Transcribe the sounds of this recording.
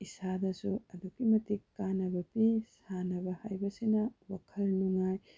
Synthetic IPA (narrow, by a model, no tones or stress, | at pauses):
isadɐsuɐdukimɐtikːanɐbɐpisanɐbɐhajbɐsinɐwakʰɐlnuŋaj